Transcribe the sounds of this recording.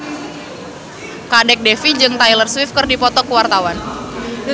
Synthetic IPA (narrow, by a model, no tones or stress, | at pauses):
kadɛk̚dɛfid͡ʒɨŋt̪ajlərswifkɨrdipɔt̪ɔkəwart̪awan